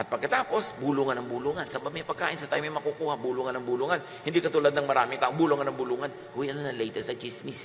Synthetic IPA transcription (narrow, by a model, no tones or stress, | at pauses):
ʔɐt̪̚pɐɡkːɐt̪aːpo̞sbuluːŋɐnɐŋbuluːŋɐnsɐbab̚ɲɐpɐɡ̚kaːʔɪnsɐt̪ajmajmɐkukuːhabuluŋɐnɐŋbuluŋɐn | hɪnd̪ikɐt̪ulad̪nɐŋmɐɾaːmɪŋt̪aːʔoŋbuluŋɐnɐŋbuluŋan | hʊwiʔɐnonɐlɛjt̪ɛsd̪ɐt͡ʃismɪs